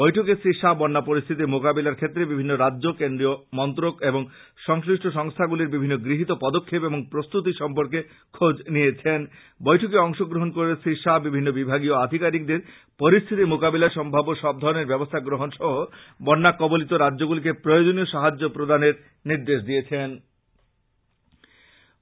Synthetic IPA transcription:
bɔjʈʰokesɾiʃabɔnːapoɾist̪ʰit̪̬imokabelaɾkʰet̪ːɾebibʱinːoɾadːʑokend̪ɾiomɔnt̪ɾokeboŋ | ʃɔŋsɾiʃʈʰoʃɔŋst̪ʰaɡuleɾbibʱinːoɡɾiɦit̪opɔd̪okʰːepeboŋpɾost̪ut̪̬iʃɔmpoɾke | kʰod͡ʑniet͡ɕʰen | bɔjʈʰokeɔŋʃoɡɾoɦonkoɾesʰiʃabibʱinːobibʱaɡioad̪ʱikaɾik̚d̪eɾ | poɾist̪ʰit̪imokabelaɾʃɔmbʱaboʃɔb̚d̪ʱɔɾoneɾbɛbost̪ʰaɡɾoɦonʃɔɦobɔnːakːɔbolit̪oɾadːoɡulik̬epɾojod͡ʑonioʃaɦad͡ʑːopɾod̪aneɾ | niɾd̪eʃd̪iet͡ɕʰen

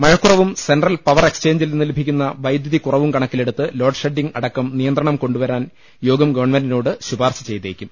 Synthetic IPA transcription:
mɐɻɐkːurɐʋumse̞nɖrɐlpɐʋɐre̞kst͡ɕe̞ːɲd͡ʑilnːilebʱikʲːunːɐʋɐjd̪jɐðikurɐʋumkɐɳɐkːile̞ɽut̪ːɨlo̞ːɖʂeɖːiŋɡɐɽɐkːɐmnijɐnd̪rɐɳɐmko̞ɳɖuʋɐɾaːn | jo̞ːɡɐmɡɐʋɐɳmenɖino̞ːɽɨɕubʱaːrɕɐ̥t͡ɕe̞jt̪ːeːkʲːum

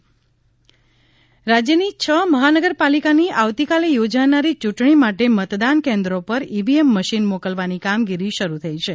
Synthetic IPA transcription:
ɾad͡ʒjənit͡ʃʰəməɦanəɡəɾpalikaniʔaʋt̪ikalejod͡ʒanaɾit͡ʃuʈɳimaʈemət̪d̪ankẽnd̪ɾopəɾibiemːəʃinmokəlʋanikamɡiɾiʃəɾut̪ʰəit͡ʃʰe

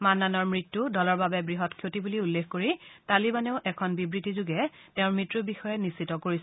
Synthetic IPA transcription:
manːanɔɹmɹitːudɔlɔɹbabɛbɹiɦɔtkʰjotibuliulːexkoɹitalibanɛʊʔɛkʰɔnbibɹitizuɡɛ | tẽʊ̃ɹmɹitɹubixɔjɛnisitɔkoɹis

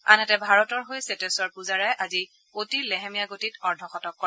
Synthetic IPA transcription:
anɛtɛbʱaɹɔtɔɹɦojsetesɔɹpuzaɹajʔazi | otiɹlɛɦemijaɡotitɔɹdʱɔxɔtɔkːɔ

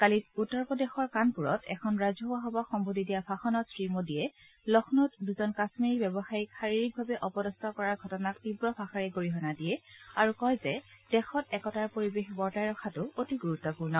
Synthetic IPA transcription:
kalitutːɔɹpɔdɛxɔɹkanpuɹɔtʰɛ̰kʰɔnɹazɔɦoaɦɔbɔxɔmbʱodidijabʰʱaxɔnɔtsɹimodijɛ | lɔxʰnɔtduzɔnkasmiɹibɛbɔxajikxaɹiɹik̚bʱabɛʔɔpɔdɔstɔkɔɹaɹɡʱɔtɔnak̚tibɹɔpʰaxaɹɛɡoɹiɦɔnadijɛaɹukɔjzɛd̥ɛxɔtɛkɔtaɹpoɹibexbɔɹtajɹɔxʰatʊotiɡuɹutːɔpuɹnɔ

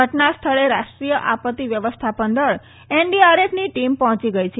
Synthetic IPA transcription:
əʈnast̪ʰəɭeɾaʂʈɾijəʔapət̪ːiʋjəʋəst̪ʰapənd̪əɭ | eɳɖiaɾefʰniʈimpɔɦɔ̃t͡ʃiɡəjt͡ʃʰe

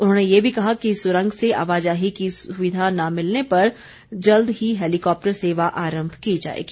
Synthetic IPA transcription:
ʊnɦõːnejebʱikɐɦakisʊɾə̃ŋɡʱseʔa̰ːʋaːd͡ʒaːɦikisʊʋɪd̪ʱanamɪlnepɐɾ | d͡ʒɐld̪ɦiɦeːlɪkɔːp̚ʈəɾseːʋaʔaːɾə̃mbʱkid͡ʒa̰ːḛːɡiː

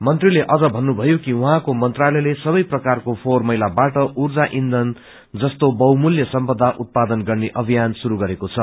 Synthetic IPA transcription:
mʌnt̪rileʔʌd͡zʌbʱʌnːubʱʌjokiuɦãkomʌnt̪ralʌjlesʌβʌjprʌkarkopʰormʌjlabaʈʌurd͡zaʔind̪ʱʌn | d͡zʌst̪obʌwmuljʌsʌmpʌd̪ʱːaʔut̪̚pad̪ʌnɡʌrneʔʌbʱijansuɾuɡʌɾekot͡sʰʌ

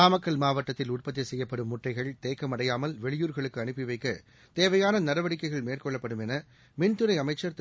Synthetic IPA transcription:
aːmɐkːɐɭmaːʋɐʈːɐt̪ːɪlʊrpɐt̪̬ːɪjɐsɛjːɐpːɐɽɯmːʊʈːɐɪɣɐɭt̪eːkːɐmɐɽɐjaːmɐlʋɛɭɪjuːɾɣɐɭɯkːɯɐɳɯpːɪʋɐɪkːɐ | t̪eːʋɐjaːnɐnɐɾɐʋɐɽɪkːɐɪɣɐɭmeːrkɔɭːɐpːɐɽɯmɛnɐ | mɪnt̪ɯɾɐɪɐmɐɪt͡ʃːɐɾt̪

